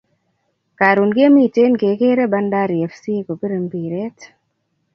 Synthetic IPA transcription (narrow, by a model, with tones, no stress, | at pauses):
ka˨ɾu˨nɡe˦mi˦˨te˦nɡe˨ke˦ɾe˦ba˦nda˦ɾjɛ˨fsi˦ko˨pi˦ɾe˨mbi˨ɾe˦t